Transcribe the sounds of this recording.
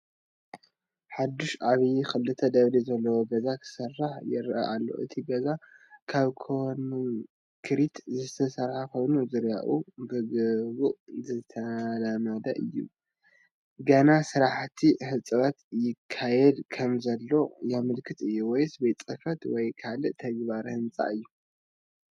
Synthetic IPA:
ħad̪uʃʔaβjixɨlːɨt̪ʰɐd̪ɐβlizɐlːɐwoɡɐzakʰɨ̥sɐrːaħjɪɾʔɐ̰ʔalːo̞̰ʔɨ̰t̪ʰiɡɐzakʰaβkʰonn | kʰɨɾit̪ʰzɨt̪ʰɐsɐɾħako̞jnuzɨɾjaʔubɨɡɨβuʔzɨt̪ʰɐlamɐd̪ɐ̰ʔɨjːṵ | ɡɐnasɨɾaħt̪ʰihɨt͡sʼɨβat̪jɪkʰːajɛd̪kʰɐmzɐlːo̞jamɨlkʰɨt̪ɨjːuwɔjsbet͡sʼɨfɐt̪wɔjkʰalɨʔt̪ʰɐɡβaɾhɨnt͡sʼa̰ɨjːu

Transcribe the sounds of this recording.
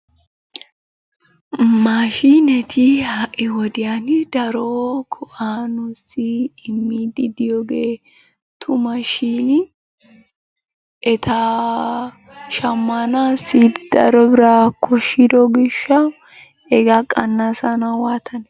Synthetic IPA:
maːʃinɛt̪ʰihaːʔɪwɔd̪ɪjand̪ɐɾokʰɔʔaːnʊsɪːmːid̪ɪd̪ɪjoːɡeː | t̪ʰʊmɐʃiːnɪ | ɛt̪ʰaː | ʃɐmːanaːsɪd̪̥ɐ̰ɾɔbɪɾakʰɔʃɪd̪ɔɡɪʃːɐ | ɛɡɐkʼɐnːasɐnɐwaːt̪ʰɐnɛ

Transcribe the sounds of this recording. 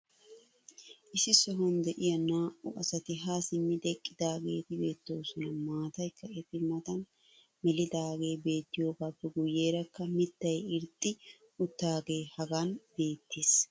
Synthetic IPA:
ʔɪsɪsɔɦɐnd̪ɛʔɪjɐnaːʔʊʔɐsɐt̪ɪɦasɪmːɪd̪ɛkʼːɪd̪aːɡḛːt̪ɪbe̞ːt̪ːo̞ːsɔnɐmaːt̪ɐjkʰːɐɛtːɪmɐt̪ɐn | mɛlɪd̪aːɡe̞ːbe̞ːt̪ːɪjo̞ːɡaːpːɛɡʊjːe̞ːɾɐkːɐmɪt̪ːɐjɪɾt̪ʼːɪ | ʊt̪ːaːɡe̞ːhɐɡanbe̞ːt̪ːeːs

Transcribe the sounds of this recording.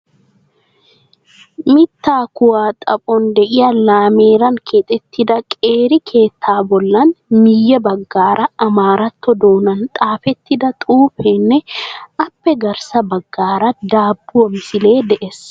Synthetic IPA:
mɪt̪ːaːkʊwaːt̪ʼɐpʼɔnd̪ɛʔɪjɐlaːmeːɾɐŋkʰeːt̪ʼɛt̪ːɪd̪ɐkʼeːɾɪkʰe̞ːt̪ʰːaːbɔlːɐnmɪjːɐbɐɡːaːɾɐːmaːɾɐt̪ːɔd̪o̞ːnɐnt̪ʼaːfɛt̪ːɪd̪ɐt̪ʼuːfenːɛɐpːɛɡɐɾsɐbɐɡːaːɾɐd̪aːbːʊwɔmsɪle̞ːd̪ɛʔɛs

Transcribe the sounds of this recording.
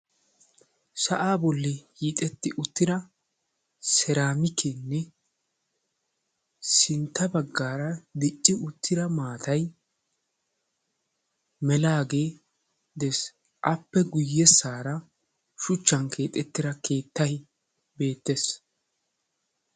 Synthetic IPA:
sɐʔaːbɔlːɪjiːt̪ʼɛt̪ːɪʔʊt̪ːɪd̪ɐ | sɛɾaːmɪkʰenːɛ | sɪnt̪ːɐbɐɡːaːɾɐd̪ɪt͡ʃʼːɪʊt̪ːɪɾɐmaːt̪ɐj | mɛlaːɡe̞ː | d̪ɛs | ʔɐpːɛɡʊjːɛsːaːɾɐ | ʃʊt͡ʃːɐnkʰe̞ːt̪ʼɛt̪ːɪɾɐkʰe̞ːt̪ːɐj | be̞ːt̪ːes

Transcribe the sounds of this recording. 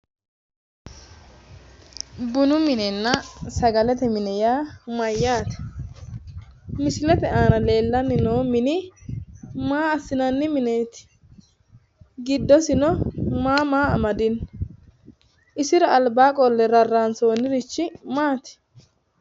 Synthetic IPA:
bʊnʊmɪnɛnːɐsɐɡɐlɛt̪ɛmɪnɛjaːmɐjːaːt̪ɛ̥ | mɪsɪlɛt̪ɛʔaːnɐle̞ːlːɐnɪnoːmɪnɪ | maːɐsːɪnɐnːɪmɪneːt̪ɪ̥ | ɡɪd̪ːɔsɪnɔmaːmaːɐmɐd̪ɪn | ʔɪsɪɾɔɐlbaːkʼɔlːɛɾɐrːaːnsoːnɪɾɪt͡ʃːɪmaːt̪ɪ̥

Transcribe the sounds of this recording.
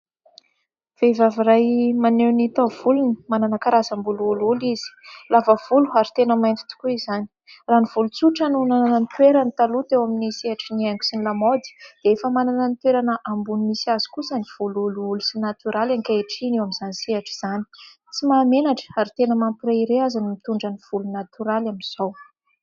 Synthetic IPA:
v̥evavirajmanewnit̪ovulunimananəkaɾazambuluululiz̥i̥lavəv̥uluaɾit̪enəmajnt̪i̥t̪u̥kuizani̥ | raːniv̥ulut͡suʈ͡ʂanunanananit̪weɾanit̪alut̪ewaminisiaʈ͡ʂiniaŋɡu̥sinilamod̪i̥d̪̥eefəmanananit̪weɾanəʔambunimisiazi̥kusəniv̥ululuulusinat̪yɾalankaeʈ͡ʂinewamiz̥anisiaʈ͡ʂi̥z̥ani̥ | t͡simaːmenaʈ͡ʂə̥aɾit̪enəmampiraiɾeazanimit̪uɳɖ͡ʐəniv̥ulunat̪uɾalaminz̥ow

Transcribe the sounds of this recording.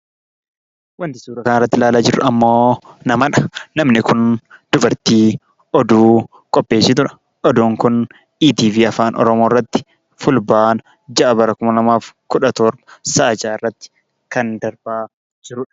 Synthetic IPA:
wɐnt̪ɪsuːɾɐkɐnɪrːɐt̪ːɪlaːlaːd͡ʒɪɾʊʔɐmːoːnɐmɐᶑɐnɐmnɪkʊnd̪̥ʊbɐɾt̪iː | ʔɔd̪uː | kʼɔpːe̞ːsːɪt̪̬ʊɾɐ̥ | ʔɔd̪uːŋkʊn | iːt̪iːviːɐfaːnʔɔ̰ɾɔmoːrːɐt̪ːɪ̥ | fʊlbaːnɐ | d͡ʒɐʔɐbɐɾɐkʊmɐlɐmaːfkʊᶑɐt̪oːɾbɐ̥sɐʔɐd͡ʒaːɪrːɐt̪ːɪ̥ | kɐnd̪ɐɾbaː | d͡ʒɪɾʊᶑɐ̥

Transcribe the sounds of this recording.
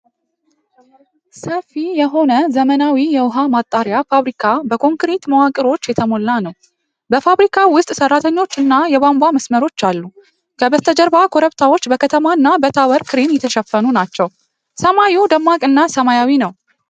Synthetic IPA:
səfijɛɦo̞nəzəmənawijɛwʊɦamat̪ʼːaɾjafaβɾikʰabəkʰʼoŋkɾet̪məwakʼɨɾo̞t͡ʃːjɛt̪ʰəmo̞lːanəw | bəfaβɾikʰawʊst̪ʼsərːat̪ʰəɲːo̞t͡ʃːɨnːajɛβambaməsməɾo̞t͡ʃːalːu | kʰəbəst̪ʰəd͡ʒəɾbakʰo̞ɾəβt̪ʰawo̞t͡ʃːbəkʰət̪ʰəmaɨnːabət̪ʰawəɾkʰɨɾimjɛt̪ʰːəʃəfːənunat͡ʃːɛw | səmajud̪əmːakʼɨnːasəmajawinəw

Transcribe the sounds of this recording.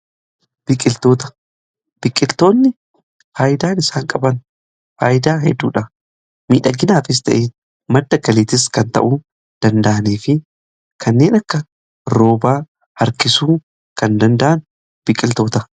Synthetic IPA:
b̥ɪkʼɪlt̪o̞ːt̪ɐ̥ | b̥ɪkʼːɪlt̪o̞ːnːɪ | faːjɪd̪aːnɪsaːŋkʼɐbɐn | faːjɪd̪aːɦɛd̪ːṵːᶑɐ | miːᶑɐɡɪnaːfɪs̬t̪ɐ̰ʔeː | mɐd̪ːɐɡɐliːt̪ɪs̬kɐnt̪ɐ̰ʔuː | d̪̥ɐnd̪ɐʔɐneːfɪ | kʰɐnːe̞ːnɐkːɐ | ɾo̞ːbaː | hɐɾkɪsuː | kɐnd̪ɐnd̪ɐʔɐn | b̥ɪkʼɪlt̪o̞ːt̪ɐ

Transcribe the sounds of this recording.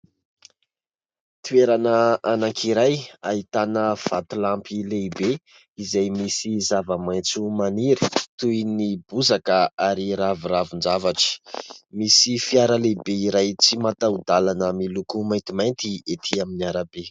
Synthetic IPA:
t̪ueɾanəanaŋkʰiɾajaɦit̪anəv̥at̪ulampilebe | izajmisizavəmajt͡sumaniɾi̥t̪ujnibuzakəaɾiɾavuravund͡ʒavaʈ͡ʂi̥misifiaɾəlebeiɾajt͡simat̪awd̪alanəmilukumajnt̪imajnt̪iet̪ʰiaminiaɾabe

